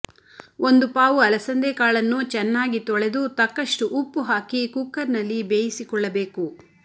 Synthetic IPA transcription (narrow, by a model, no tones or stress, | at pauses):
o̞nd̪upaːʋuɐlɐsɐnd̪eːkaːɭɐnːut͡ʃɛnːaːɡit̪ɔɭe̞d̪ut̪ɐkːɐʂʈuʔupːuɦaːkikuːkːɐɾnɐlːibeːjisikɔɭːɐbeːku